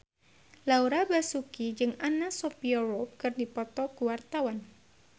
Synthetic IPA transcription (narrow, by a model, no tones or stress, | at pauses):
lauɾabasukid͡ʒɨŋanasɔpiɔɾɔp̚kɨrdipɔt̪ɔkuwart̪awan